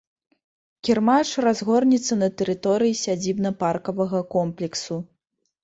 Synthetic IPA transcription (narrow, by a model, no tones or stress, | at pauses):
kʲirmaʂrazɣɔrnʲit̪sːɐnɐt̪ɛɾɨt̪ɔɾɨjisʲad͡zʲibnɐparkɐvɐɣɐkɔmplʲɛksu